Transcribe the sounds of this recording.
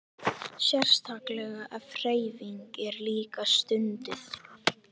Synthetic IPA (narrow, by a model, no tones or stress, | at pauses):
sjɛr̥st̪ʰaklɛɣaʔafreːjviŋkɛɾliːkast̪ʏnt̪ɪθ